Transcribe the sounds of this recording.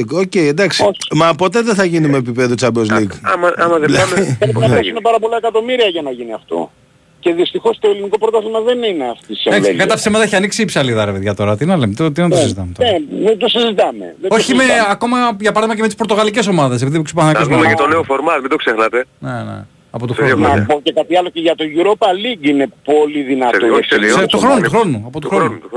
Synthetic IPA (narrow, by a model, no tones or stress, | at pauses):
oce̞jend̪ɐksiomɐpo̞t̪e̞ðeθɐʝinumeːpipe̞ðut͡sɐbozliɡɐmɐɐmɐðeɐmeɐiɐsimepɐɾɐpo̞lɐekɐt̪o̞miɾiɐʝɐnɐʝiniɐft̪o̰ | ce̞ðist̪ixo̞st̪oeliniko̞pɾot̪ɐsmɐðe̞nineɐft̪iseɐkskɐt̪ɐfisemɐt̪ɐeçiɐniksiːpsɐliðɐɾeveðʝɐt̪o̞ɾɐt̪inɐlemet̪t̪ient̪osizit̪ɐmet̪oened̪osizit̪ɐme̞̰ðeo̞çimeɐko̞mɐʝɐpɐɾɐðimɐc̬eet̪ispot̪o̞ɣɐliceso̞mɐðes̬epiðipukspɐθɐnɐkozmmɐt̪oneofoɾmɐt̪mid̪oksexnɐt̪e̞nenḛ | ɐpot̪uɾonɐboce̞kɐt̪iɐloceʝɐt̪o̞ʝuɾopɐliɡine̞po̞liðinɐt̪ot̪uxɾonuuxɾo̞nuɐpot̪uxɾonu